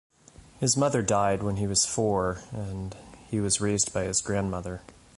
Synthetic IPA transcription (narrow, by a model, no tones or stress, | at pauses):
hɨzmʌðə˞daɪd̚wə̃niwʌz̥fɔɹɨ̃nhiwʌzɹeɪzdbaɪɨzɡɹæ̃nmʌðə˞